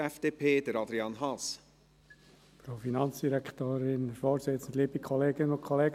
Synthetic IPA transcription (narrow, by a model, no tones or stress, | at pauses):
ɛfd̥eːpʰeːd̥̪əɾɑd̪ɾiɑnɦɑs | fɾoːfinɑnt͡ssd̥iɾɛkt̪oːɾɪnfɔːsɪt̪t͡sən̩d̪liːbikʰɔleːɡɪənʊnkʰɔleːɡ